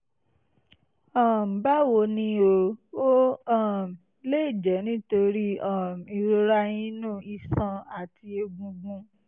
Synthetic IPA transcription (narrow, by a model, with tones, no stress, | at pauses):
ɔ̃˦˨m̩˨ba˦wo˧nĩ˧o˧o˦ɔ˦˨m˨ | le˦i˦˨d͡ʒɛ˨˦nĩ˦to˧ɾi˦ɔ˦˨m˨i˨˧ɾo˧ɾa˧˦j̃ĩ˦nũ˦˨i˧˨sã˧a˨ti˧e˧ɡũ˧ɡũ˧